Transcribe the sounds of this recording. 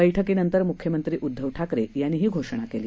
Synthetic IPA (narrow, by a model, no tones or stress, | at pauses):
əjʈʰəkenənt̪əɾmukʰjəmənt̪ɾiːʔud̪ʱːəʋʈʰakɾejanːiːɦiːɡʱoʂɳ̃akeliː